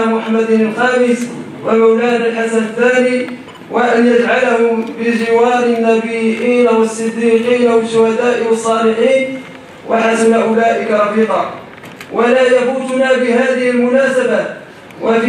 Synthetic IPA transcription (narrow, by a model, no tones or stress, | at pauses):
mːʊħamːad̪nalxɑːmɪs | wʔalmawlaːnalħasanaθːaːniː | waʔanjad͡ʒʕalahʊmbɪd͡ʒɪwɑːɾɪnːabiːʔiːnawɑsˤːɪd̪ːiːqiːnawɪlʃːʊhad̪aːʔɪwɑsˤːɑːlɪħiːn | wʔaħasnaʔʊlaːʔɪkaɾˤɑfiːd̪ˤɑ̰ː | wʔalaːjabuːt̪ʊnaːbɪhaːðɪhɪlmʊnaːsaba | wʔaf